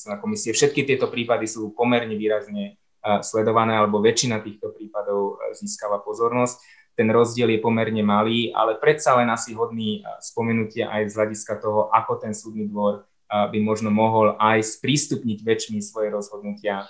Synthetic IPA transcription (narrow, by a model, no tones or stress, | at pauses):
ɛnakɔmisiɛfʃɛt̪̚kit̪ɪɛt̪ɔpɾiːpad̪isuːpɔmɛɾɲɛʋiːɾazɲɛ | slɛd̪ɔʋanɛːalɛbɔʋɛt͡ʃinat̪iːxt̪ɔpɾiːpad̪ɔʊziːskalapɔzɔɾnɔsc̚ | t̪ɛnɾɔzɟɪɛljɛpɔmɛɾɲɛmaliːʔa̰lɛpɾɛt̪salɛnasiɦɔd̪niːspɔmɛnucɪaʔajvzɦlaɟiskat̪ɔɦɔʔakɔt̪ɛnsuːd̪niːd̪ʋɔɾ | bimɔʒnɔmɔɦɔlajspɾiːst̪upɲiɟʋɛt͡ʃmisʋɔjɛɾɔzɦɔd̪nucɪa